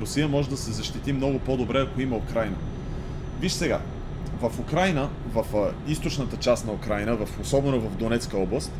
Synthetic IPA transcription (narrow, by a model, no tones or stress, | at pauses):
ɾʊsijəmɔʒɛd̪ɐsɛzɐʃt̪it̪imnɔɡʊpod̪obɾɛɐkoiməʊkɾajnə̰ | viʃsɛɡa̰ | vəfʊkɾajnə | vəfist̪ot͡ʃnət̪ət͡ʃast̪nɐʊkɾajnəvɐfosɔbɛnovɐvd̪onɛt̪skəɔblˠəst̪